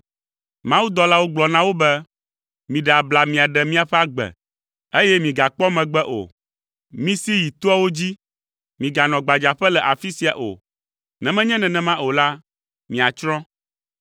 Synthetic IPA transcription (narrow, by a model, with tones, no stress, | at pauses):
mã˦wu˦d̪ɔ˦la˦wo˦ɡ͡blɔ˨nã˦wo˦bɛ˦ | mĩ˨ɖɛ˨a˨bla˨mĩ˨a˨ɖɛ˨mĩ˦a˨ɸɛ˦a˦ɡ͡bɛ̰˨ | e˦jɛ˦mĩ˨ɡa˨k͡pɔ˦mɛ̃˨ɡ͡bɛ˦ʔo̰˨ | mĩ˦si˦ji˨t̪o˦a˦wo˦d͡ʑi˦ | mĩ˨ɡa˨nɔ̃˨ɡ͡ba˨d͡ʒa˨ɸɛ˦lɛ˨ʔa˨fi˦si˨a˨ʔo̰˨ | nɛ̃˨mɛ̃˦ɲɛ̃˦nɛ̃˨nɛ̃˨mã˦o˨la˦ | mĩ˨a˨t͡ʃɾɔ̃˦